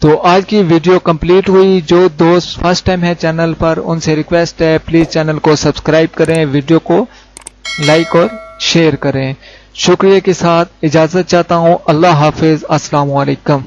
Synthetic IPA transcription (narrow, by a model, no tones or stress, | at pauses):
t̪oːʔaːd͡ʒkiʋiːɖijokɐ̃mpliːʈɦʊid͡ʒoːd̪oːfɐɾsʈːaːɪmɦɛ̃t͡ʃɛːnəlpɐɾʊ̰nseɾɪkʋeːsʈɦɛpliːzt͡ʃɛːnəlkosɐbskɾaːɪb̚kɐɾẽʋiːɖijoko | laːɪkɔːɾʃeːəɾkɐɾẽː | ʃʊkɾijakesaːt̪̚ʰɪd͡ʒaːzət̪̚t͡ʃaːɦt̪aɦũʔɐlːaɦaːfɪzɐsːɐlaːmʊaleːkʊ̃m